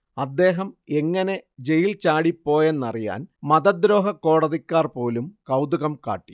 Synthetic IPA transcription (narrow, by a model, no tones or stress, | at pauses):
ɐd̪ːe̞ːɦɐme̞ŋːɐne̞d͡ʑe̞jilt͡ɕaːɽipːo̞ːje̞nːɐrija̰ːnmɐðɐd̪ɾo̞ːɦɐkːo̞ːɽɐðikʲːaːrpo̞ːlumkɐwd̪uɣɐmka̰ːʈːi̥